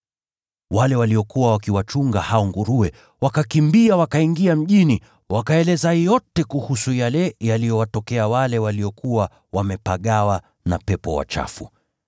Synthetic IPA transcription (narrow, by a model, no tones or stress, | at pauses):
walɛwaliɔkuwawakiwat͡ʃuŋɡahaɔŋɡuɾuɛ | wakakimbiawakaiŋɡiam̩ʄini | wʔakaɛlɛzajɔtɛkuhusujalɛjalijɔwatɔkɛawalɛwalijɔkuwa | wamɛpaɠawa | napɛpɔ̰wa̰t͡ʃa̰fṵ